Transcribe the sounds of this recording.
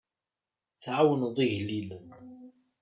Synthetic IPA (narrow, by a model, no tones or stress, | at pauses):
θʕawənðˤiʝlilən